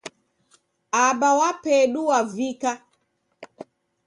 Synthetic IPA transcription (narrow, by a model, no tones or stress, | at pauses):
aɓawapɛɗuwavika